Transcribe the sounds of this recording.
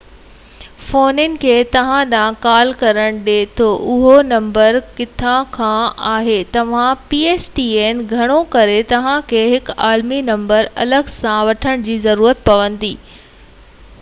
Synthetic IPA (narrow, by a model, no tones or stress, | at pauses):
foːnɪnɪ̆kʰeːt̪ɐʋ̤ãɗãːkaːlkɐɾəɽ̃ɗeːt̪ʰoʔʊɦonɐ̃mbəɾkɪt̪ʰãkʰãaːɦeːt̪ɐʋ̤ãpiːeːsʈiːeːnɡʱɐɽ̃okɐɾet̪ɐʋ̤ãkʰeːɦɪkaːlminɐ̃mbəɾɐ̰ləɡsãʋɐʈʰəɽ̃d͡ʑiːzɐɾuːɾət̪̚pɐʋə̃nd̪iː